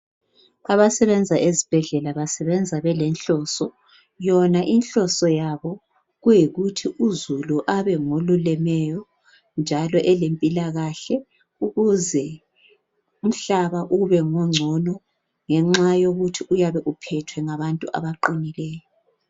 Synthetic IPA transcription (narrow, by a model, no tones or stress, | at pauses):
aβasɛβɛnd͡zʱaʔezib̥ʱɛɮɛlaβasɛβɛnd͡zʱaβɛlɛnɬɔsɔ | jɔnaʔinɬɔsɔjaβɔ | ɣujiɣutʰiʔuzuluʔaβɛŋolulɛmɛjɔ | nd͡ʒʱalɔʔɛlempʼilaɣaɬɛ | uɣuzɛ | um̩ɬaβaʔuɣuβɛŋɔŋ͡ǀʱɔnɔ | ŋɛŋ͡ǁajoɣutʰiujaβɛʔupʰɛtʰwɛŋaβantʼuʔa̰βaǃinilɛːjɔ